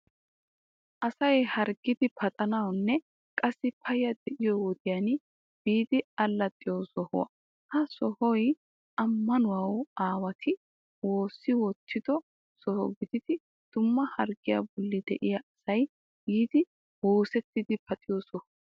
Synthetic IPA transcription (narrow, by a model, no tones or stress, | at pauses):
ʔɐsɐjhɐɾɡɪd̪ɪpʰɐt̪ʼɐnɐwnːɛ | kʼɐsːɪpʰɐjɐd̪ɛʔɪjɔwɔd̪ɪjan | b̥iːd̪ɪɐlːɐt̪ʼːɪjɔsɔhʊ̰wɐ̰ | hɐsɔhɔj | ʔɐmːɐnʊwɐwaːwɐt̪ʰɪ | wo̞ːsːɪwɔt̪ʰːɪd̪ɔ | sɔhɔ̰ɡɪd̪ɪd̪ɪ | d̪̥ʊmːɐhɐɾɡɪjɐ̰bɔlːɪd̪ɛʔɪjɐʔɐsɐj | ɡiːd̪ɪ | woːsɛt̪ːɪd̪ɪpʰɐt̪ʼɪjɔːsɔhʊ